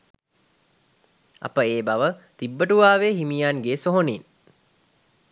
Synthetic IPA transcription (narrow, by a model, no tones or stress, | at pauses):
a̰pəeːbaʋət̪ibːəʈuʋaːʋeɦimijanɡeːsoɦonin